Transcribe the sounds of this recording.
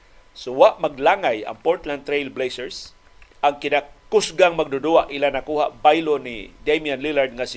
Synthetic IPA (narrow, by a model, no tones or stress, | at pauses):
sʊwaʔmaɡlaŋaja̰ŋpoɹt̪land̪t̪ɾejlblejsɛɹs | ʔaŋkɪnakʊsɡaŋmaɡ̚d̪ʊd̪uaʔɪlanakuːhaʔbajlonḭd̪ejmjanlilaɹd̪̚ŋas